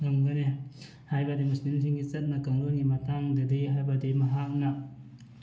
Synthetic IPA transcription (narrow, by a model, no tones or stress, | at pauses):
ŋɐmɡɐne | hajbɐdimusnins̬ʰiŋɡit͡ʃɐt̚nɐkɐŋɾonɡimɐtaŋdɐdiɦajbadimɐɦak̚nɐ